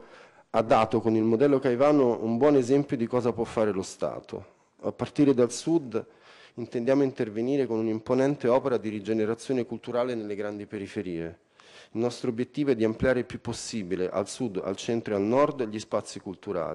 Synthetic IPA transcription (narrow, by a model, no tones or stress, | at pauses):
ad̪ːaːt̪okonilmod̪ɛlːokajvaːnoumbwɔːnezɛmpjod̪ikɔːzapwɔfːaːɾelost̪a̰ːt̪ʰo̰ | apːart̪iːɾed̪alsud̪ | int̪end̪jaːmoint̪erveniːɾekonunimponɛnt̪eɔːpeɾad̪iɾid͡ʒeneɾat̪sjoːnekult̪uɾaːlenelːeɡɾand̪ipeɾifeɾiːe | ilnɔst̪ɾobjet̪ːiːvoɛd̪iamplijaːɾeilpjupːosːiːbileʔa̰lsud̪a̰lt͡ʃɛnt̪ɾoalnɔrd̪ʎispat̪sːikult̪uɾa̰ːli